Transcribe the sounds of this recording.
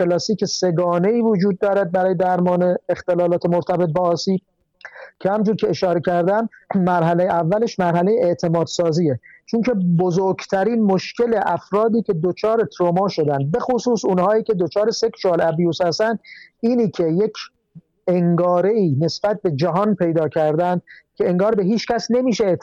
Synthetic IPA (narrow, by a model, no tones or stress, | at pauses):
elɒsiːkʰese̞ɡɒːne̞iːvod͡ʒuːd̪̚ːɒːɾæd̪̚bæɾɒːjed̪æɾmɒːne̞ːxt̪elɒːlɒːt̪ʰemoɾt̪ʰæbe̞t̪̚bɒːsiːb | cʰehæmnd͡ʒuːɾkʰeeʃɒːɾecʰæɾd̪æmːæɾɦælejeʔævːæleʃmæɾhæle̞jeeʔt̪ʰe̞mɒːd̪sɒːziːet͡ʃʰoncʰe̞bozoɾɡt̪ʰæɾiːnmoʃkʰe̞le̞ʔæfɾɒːd̪iːcʰʲe̞d̪ot͡ʃʰɒːɾe̞t̪ʰɾomɒːʃo̞d̪ænd̪̚be̞xosuːsunhɒːiːcʲʰe̞d̪ot͡ʃʰɒːɾeseksuælæbjuːshæst̪ænd̪iːniːkʰe̞jekʰ | eŋɡɒːɾe̞iːne̞sb̥æt̪̚be̞d͡ʒæɦɒːnpʰe̞jd̪ɒːcʰæɾd̪ænd̪̥̚cʲʰe̞eŋɡɒːɾbe̞ɦiːt͡ʃkæsne̞miːʃee